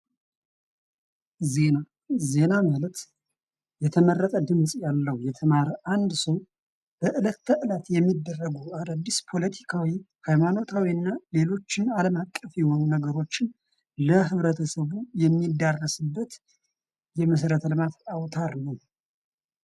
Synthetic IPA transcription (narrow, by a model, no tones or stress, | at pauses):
zena | ze̞namalət̪ | jɛt̪ʰəmərːət̪ʼəd̪ɨmsʼjalːəhujɛt̪ʰəmaɾʔand̪səw | b̥əʔɨlət̪ːəʔɨlat̪jɛmːid̪ːərːəɡuad̪ad̪ːispʰo̞lət̪ʰi̥kʰawi | hajmano̞t̪ʰawiɨnːale̞lo̞t͡ʃːɪnaləmakʼːəfjɛhonunəɡəɾo̞t͡ʃːɪn | ləɦɨβɾət̪ʰəsəβujɛmːid̪ːarːəsɨbːət̪ | jɛməs̬ɾət̪ʰlɨmat̪awt̪ʰaɾnəw